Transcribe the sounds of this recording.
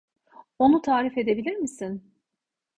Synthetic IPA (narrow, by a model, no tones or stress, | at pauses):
o̞nut̪ʰaːɾife̞d̪e̞bilʲiɾmisin